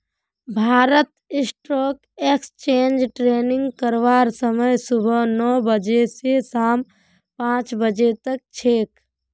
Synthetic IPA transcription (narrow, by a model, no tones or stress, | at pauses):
bʱaːɾət̪ɪsʈɾɔːk | ekst͡ʃend͡ʒʈɾeniŋɡkəɾʋaːɾsəməjsubʱənɔbəd͡ʒesesaːm | pãt͡ʃbəd͡ʒet̪ək̚t͡ʃʰek